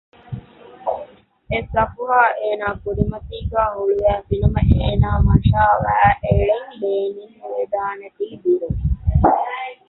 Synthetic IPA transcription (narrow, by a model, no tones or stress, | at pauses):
esɐfuʋaːʔeːnaːkuɾimɐt̪iːɡæːɦuɭuæːfinumɐʔeːnaːmɐnʃaːʋæɦæːʔeɭeŋleːninʋed̪aːnɐʈiːd̪iɾumi